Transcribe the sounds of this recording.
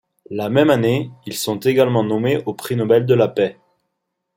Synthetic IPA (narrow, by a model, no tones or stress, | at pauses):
lamɛmaneilsɔ̃t̪eɡalmɑ̃nɔmeʔopχinɔbɛld̪əlapɛ